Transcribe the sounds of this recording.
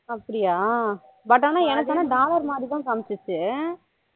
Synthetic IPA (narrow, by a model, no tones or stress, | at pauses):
ɐpːɐɽɪjaː | bɐʈ̬ːaːnːãːɛnɐkːaːnaːɖaːlɐɾmaːd̪ɾit̪ãːkɐmɪt͡ʃːɯt͡ʃːɯ